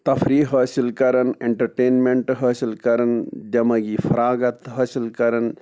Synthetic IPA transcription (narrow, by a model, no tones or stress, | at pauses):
t̪ɐfɾiːɦɐːsilkɐɾɐneɳʈɐɾʈeːnmeɳʈɦɐːsilkɐɾɐnd͡ʒɐmɐɡiːfʰɐɾaːɡɐt̪ɦɐːsilkɐɾɐn